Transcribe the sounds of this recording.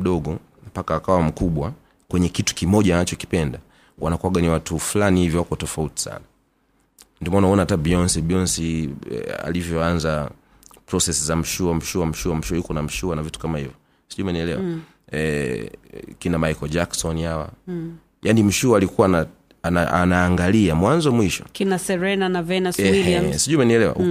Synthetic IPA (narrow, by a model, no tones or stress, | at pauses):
ɗɔɡɔ | m̩pakaːkawam̩kuɓwa | kwɛɲɛkitu̥kimɔʄaːnat͡ʃɔki̥pɛnda | wanakuwaɡaniwatufulanihivjɔwakɔtɔfauti̥sa̰na | ndiɔmanaɔnaatabiɔnsibiɔnsḭ | a̰livjɔanza | pɾɔsɛsizam̩ʃuam̩ʃuam̩ʃuam̩ʃuajukɔnam̩ʃuanavitu̥kamahivjɔ | siʄumaniɛlɛwa | kinamajkɔd͡ʒaksɔnihawa̰ | janim̩ʃuaːlikuwana | naa̰naːŋɡaliamwanzɔmwiʃɔ̰kinasɛɾɛnanavɛnaɛiɛsiʄumaniɛlɛwa̰u